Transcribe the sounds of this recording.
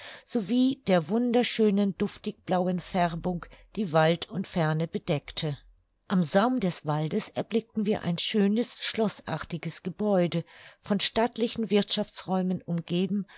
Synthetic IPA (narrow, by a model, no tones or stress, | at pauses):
z̥oviːd̥eːɐvʊndɐʃøːnəndʊftɪk̚b̥laʊənfɛʁbʊŋkd̥iːvaltʰʊntfɛɐnəbədɛktʰə | ʔamzaʊmdɛsv̥aldəsɛɐblɪk̚tn̩viːɐʔa̰ɪnʃøːnəsʃlɔsʔa̰ːɐtɪɡəsɡ̥əbɔʏdəfɔnʃtatlɪçn̩vɪɐtʃaft͡sʁɔʏmənʊmɡeːbm̩